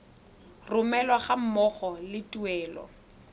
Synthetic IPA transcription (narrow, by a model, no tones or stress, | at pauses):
rʊmɛlwaχam̩mɔχɔlɪtʼuɛːlɔ̰